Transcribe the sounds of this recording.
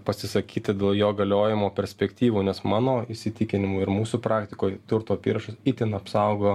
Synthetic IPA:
pɐsʲɪsɐkʲiːt̪ɐd̪ʲeːlˠjoːɡɐlʲoːjɪmoːpʲɛɾʲsʲpʲɛkt̪ʲiːʋuːnʲɛsmɑːnoːɪsʲɪt̪ʲɪkʲɪnʲɪmuːɪɾmuːsuːpɾɑːkt̪ʲɪkoːjt̪ʊɾt̪oːɐpʲiːɾɐʃʊsit̪ʲɪnɐpsɐʊɡoːjoː

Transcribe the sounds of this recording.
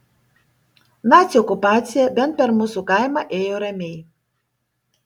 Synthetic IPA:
naːt̪ʲiɔkupaːt̪sʲijɛbʲɛnt̪̚pʲɛɾmusukaɪmɐʔeːjoɾʲɛmʲɛj

